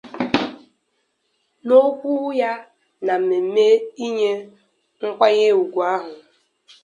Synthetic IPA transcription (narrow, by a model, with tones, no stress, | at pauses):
no˦kʷu˦ja˦ | na˨m̩˨me˨m̩˦me˦i˦ɲe˦ | ŋ̩˦kʷa˦ɲe˦u˨ɡʷu˨a˦ɦʊ˨